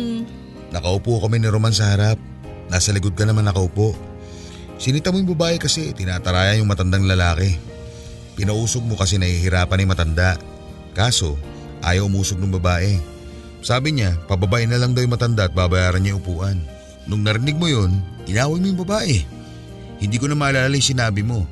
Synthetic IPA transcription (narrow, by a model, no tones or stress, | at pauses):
nɐkɐʔʊpokɐmɛnɪɾomans̬ɐhɐɾap̚ | naːsɐlɪɡod̪̚kɐnɐmanɐkɐʔʊpo̞ʔ | sɪnɪt̪ɐmojʊŋbɐbaːʔɛkɐsɛt̪ɪnat̪ɐɾaːjɐnjʊŋmɐt̪ɐnd̪aŋlɐlaːkɛ | pɪnɐʔuːsoɡ̚mo̞kɐs̬ɛnɐhiɦɪɾaːpɐnɐjmɐt̪ɐnd̪aʔ | kaːso̞ | ʔa̰ːjɐwʔʊmuːsoɡ̚nʊŋbɐbaːʔɛ | saːbɪɲapɐbɐbaʔɪnɐlaŋd̪awjʊŋmɐt̪ɐnd̪aʔɐt̪̚baːbɐjaːɾɐɲɲajʔʊpuːʔɐnː | ʊŋnɐɾɪnɪɡ̚mojo̞nʔɪnaːwɐjmojʊŋbɐbaːʔɛ | hɪnd̪iːkonɐmaːlaːlalajŋsɪnaːbɪmo̞